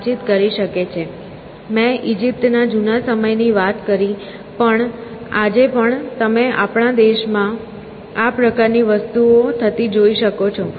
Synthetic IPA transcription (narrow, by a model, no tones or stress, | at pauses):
t͡ʃit̪kəɾiʃəket͡ʃʰe | mɛ̃ʔid͡ʒip̚t̪nad͡ʒunasəməjniʋat̪kəɾi | pəɳad͡ʒepəɳt̪əmeʔa̰pɳad̪eʃmã | apɾəkaɾniʋəst̪uot̪ʰət̪id͡ʒoiʃəkot͡ʃʰo